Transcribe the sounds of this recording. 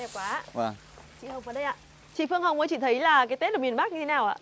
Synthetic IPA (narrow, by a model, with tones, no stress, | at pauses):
ɗɛ˨˩kwaː˨˦˧vaː˨˩ | t͡ɕḭ˧˨hə˨˩wŋ͡mvəː˨˦ɗə˧jʔa̰ː˧˨ | t͡ɕḭ˧˨fɨ˧əŋɦə˨˩wŋ͡mʔəː˨˦t͡ɕḭ˧˨t̪ʰə˨˦jlaː˨˩kaː˨˦t̪t̚ɗo˨˩ŋ͡mi˨˩ə˩ɓa˦˥k̚ɲɨ˧e˨˦naː˨˩wʔaː˧˨